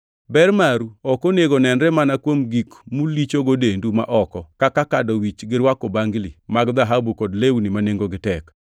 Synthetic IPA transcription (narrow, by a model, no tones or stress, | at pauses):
bɛrmaɾuɔkoneɡonɛnɾɛmanakwomɡikmulit͡ʃoɡodenduma̰ʔɔkɔkakakadowit͡ʃɡɪɾwakobaŋɡlimaɡd̪aɦabukodlewnimaneŋɡoɡɪtɛk